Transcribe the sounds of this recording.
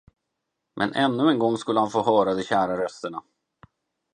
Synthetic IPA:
mʔɛ̰nʔɛnːɵɛnɡɔŋːskɵlːəhanfoːɦœːɾad̪ɛɕæːɾaɾœst̪əɳa

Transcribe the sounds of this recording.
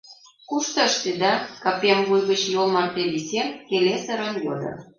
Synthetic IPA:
kuʃt̪ɑʃt̪ed̪ɑkɑpʲemvujɣət͡ɕjolmɑrt̪eβisenkelesə̆ɾənjo̰d̪ɤ̰

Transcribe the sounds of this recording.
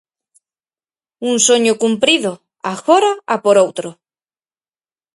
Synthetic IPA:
unsoɲokumpɾiðo | axoɾaapoɾowt̪ɾo

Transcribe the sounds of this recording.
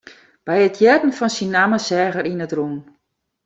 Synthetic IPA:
b̥ɛjətʰjɛdn̩fɔnsinːaməsɛːɣəɾinətrun

